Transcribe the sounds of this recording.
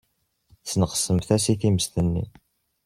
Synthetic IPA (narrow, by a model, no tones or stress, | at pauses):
θnəqə̥sːəmθæsiθiməst̪ənːḭ